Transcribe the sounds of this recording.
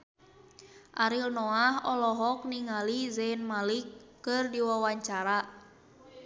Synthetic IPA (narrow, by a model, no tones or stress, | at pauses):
ʔaɾilnɔahɔlɔɦɔk̚niŋalizɛnmalikː | ɨrdiwawaɲt͡ʃaɾa